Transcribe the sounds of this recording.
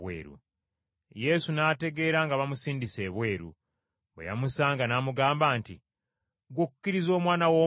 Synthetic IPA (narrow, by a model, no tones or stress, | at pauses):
wḛːɾṵ | je̞sunate̞ɡe̞ːɾaŋɡaβamusiːndise̞ːβwe̞ːɾṵ | wḛja̰musaːŋɡanaːmuɡaːmbaːntḭ | ɡwuku̥kːiɾizo̞ːmwaːnawo